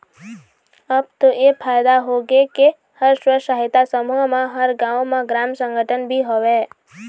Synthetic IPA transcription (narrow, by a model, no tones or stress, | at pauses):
əb̚t̪oepʰaːjd̪aɦoɡeke | həɾswəʃaːɦɪt̪asəmuɦmẽɦəɾɡãːõmẽɡɾaːmsə̃ŋɡʱəʈʰənbʱiɦoʋeː